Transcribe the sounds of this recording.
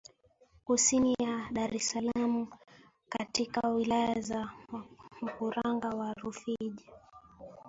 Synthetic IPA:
kusinijaɗaɾɛsalamu | katikawilajaza | m̩kuɾaŋɡawaɾufiʄa

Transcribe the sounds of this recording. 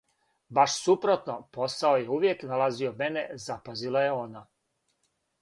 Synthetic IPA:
baʃsupɾo̞t̪no̞po̞saoje̞uʋjeknalazio̞me̞ne̞zapazilˠaje̞o̞ːna

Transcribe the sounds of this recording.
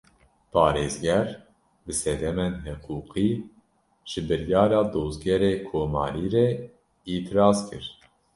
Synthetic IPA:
pʰɑːɾeːzɡɛɾ | bɨsɛd̪ɛmeːnɦɨquːqiː | ʒ̥ɨbɨɾjɑːɾɑːd̪oːzɡɛɾeːkʰoːmɑ̰ːɾiːɾɛ | iːt̪ʰɨɾɑːzkʰɨɾ

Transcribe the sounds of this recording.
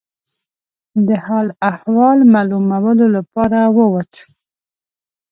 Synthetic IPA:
d̪əhɑlahwɑlmɑlumawəlolapɑɾawəwat̪ə

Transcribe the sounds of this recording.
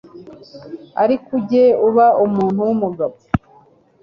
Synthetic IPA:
a̰ɾikuɟeuβaʔumuːnhuwumuɡaβo

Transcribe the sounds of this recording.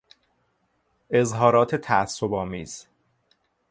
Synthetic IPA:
e̞zɦɒːɾɒːt̪ʰet̪ʰææsːobɒːmiːz̥

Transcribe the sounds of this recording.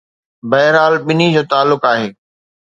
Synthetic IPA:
bɐɦɪɾaːlɓɪnid͡ʑoːt̪aːlːʊkaːɦeː

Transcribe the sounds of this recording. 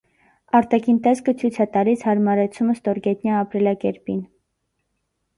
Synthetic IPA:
ɑɾt̪ɑkʰint̪ɛskət͡sʰujt͡sʰɑt̪ɑlishɑɾmɑɾɛt͡sʰuməst̪ɔɾɡɛt̪njɑɑpɾilɑkɛɾpin

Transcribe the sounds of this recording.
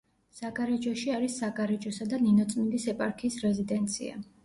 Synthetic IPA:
saɡaɾɛd͡ʒɔʃiaɾisːaɡaɾɛd͡ʒɔsad̪aninɔt̪sʼmind̪isɛpʼaɾkʰiːsɾɛzid̪ɛnt̪sʰḭa̰

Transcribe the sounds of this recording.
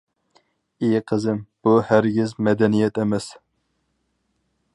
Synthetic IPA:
eqʰəzɪmb̥uhæɾɡʲɪzmɛd̪ɛnijɛt̪ɛmɛs

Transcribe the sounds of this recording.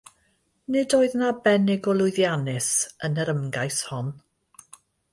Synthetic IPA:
nɪdoːɨðnabɛnɪɡɔlˠʊɨðjanɪsənəɾəmɡajshɔn

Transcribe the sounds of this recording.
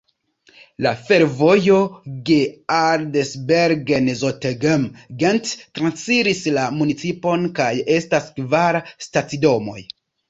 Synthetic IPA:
lafe̞ɾvo̞jo̞ɡeaɾdesbeɾɡenzoteɡemɡenttɾansiɾislamunit͡sipo̞nkaje̞staskvaɾstat͡sido̞mo̞̰j

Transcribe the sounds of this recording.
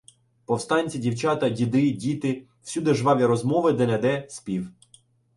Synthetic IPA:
pɔwst̪ɑnʲt͡sʲidʲiwt͡ʃɑt̪ɐdʲid̪ɪdʲit̪ɪ | w̥sʲud̪eʒʋɑʋʲiɾɔzmɔʋɪd̪ɛnɛd̪ɛsʲpʲiw

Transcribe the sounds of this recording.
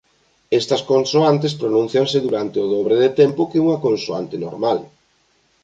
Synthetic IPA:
est̪ɐskonsoant̪espɾonũn̟θjaŋsɪðuɾant̪eʊðɔβɾeðet̪ɛmpʊkeuŋɐkonsoa̰nt̪ɪno̰ɾmal

